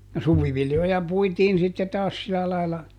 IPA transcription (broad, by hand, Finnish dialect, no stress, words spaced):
no suʋiʋiljojɑ puitiːn sitːe tɑːs silɑ lɑilːɑ